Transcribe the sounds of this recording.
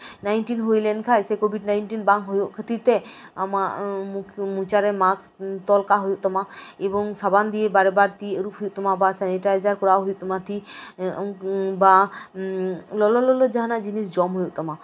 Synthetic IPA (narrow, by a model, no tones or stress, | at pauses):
najnʈinɦojlenkʰajsekobʱiɖnajnʈinbaŋkɦojoʔkʰət̪it̪e | amamukʰmut͡ʃaɾemast̪ɔlkaɦojoʔt̪ɔmaebɔŋsaband̪iebaɾebaɾt̪iɾupɦojuʔt̪ɔmabasɛniʈajzaɾkɔɽawɦojuʔt̪ɔmat̪ʰi | ba | lɔlɔlɔlɔd͡ʒaɦanad͡ʑinisd͡ʑɔmɦojuʔt̪ɔma